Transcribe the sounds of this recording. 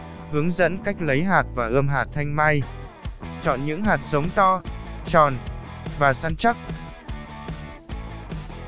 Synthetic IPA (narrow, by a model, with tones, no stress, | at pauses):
hɨ˨˦əŋzə̰˧˥nka˦˥jk̟̚lə˨˦jɦaː˨˩t̚vaː˨˩ʔəː˧mɦaː˨˩t̚t̪ʰa˧jŋ̟maː˧j | t͡ɕɔ̰˧˨nɲɨ̰˧˥ŋɦaː˨˩t̚sə˨˦wŋ͡mt̪ɔ˧t͡ɕɔ˨˩nvaː˨˩saː˧nt͡ɕa˦˥k̚